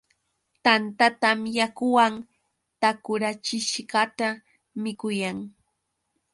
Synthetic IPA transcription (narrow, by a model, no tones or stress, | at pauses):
t̪ant̪at̪amjakʊwaŋ | t̪akʊɾat͡ʃɪʃɢɑt̪a | mɪkʊjaŋ